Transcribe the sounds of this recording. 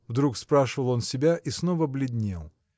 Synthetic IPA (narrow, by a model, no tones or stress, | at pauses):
vd̪ɾukspɾaʂɨvəlˠo̞nsʲɪbʲaʔisnovəblʲɪd̪ʲnʲḛlˠ